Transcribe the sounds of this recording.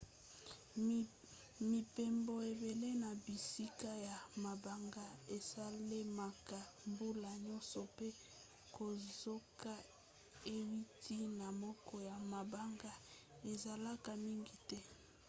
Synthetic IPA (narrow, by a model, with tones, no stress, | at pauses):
mi˨pe˨mbo˨e˨be˨le˦na˨bi˨si˦ka˦ja˨ma˨ba˦ŋɡa˦e˨sa˦le˦ma˨ka˨ | mbu˦la˨ɲɔ˦nsɔ˨pe˦ | ko˨zo˦ka˦ | e˦wi˦tʰi˦na˨mɔ˦kɔ˦ja˨ma˨ba˦ŋɡa˦ | e˨za˨la˦ka˨mi˦ŋɡi˨tɛ˦